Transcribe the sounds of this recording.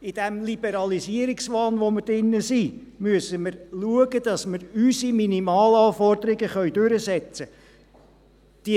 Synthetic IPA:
id̥ɛmlib̥ɛɾɑlisiəɾiksʋɑːnʋoməɾd̥ɪnːəsi | myəsəməɾluəɡəd̥̪ɑsməɾysiminimɑːlɑːfɔrdəɾɪɡəχœɥd̥̪ʉɾəsɛt͡sə | d̥i

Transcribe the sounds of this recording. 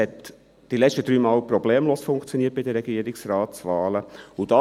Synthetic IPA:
ɛt̪ | d̪̥ilɛt͡ʃtəd̥̪ɾyːmɑːlpɾɔbleːmloːsfʊŋkt͡sjɔniːət̚b̥ɪd̪əɾɛɡiəɾiksrɑːt̪sʋɑːləud̥̪ɑ

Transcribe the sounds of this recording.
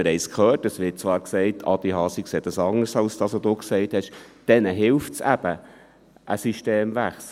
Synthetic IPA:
əɾɛɪskʰχœːtəsʋɪt̚t͡sʋɑːɾksɛɪtʰɑ̰d̪iɦɑːsikseːdɑsɑŋəɾsɑlsd̥ɑsodoːksɛɪthɛʃd̥ɛnəɦɪlftsæ̰b̥ə | ʔəsiʃteːmvæχs

